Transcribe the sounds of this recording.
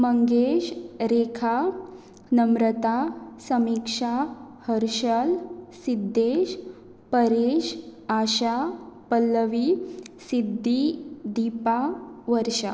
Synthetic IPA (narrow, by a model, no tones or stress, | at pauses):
məŋɡeɕɾekʰa | nəmɾət̪asəmikʂa | həɾɕəlsid̪ʱːeɕ | pəɾeɕaɕapəlːəʋisid̪ʱːid̪ipaʋəɾʂa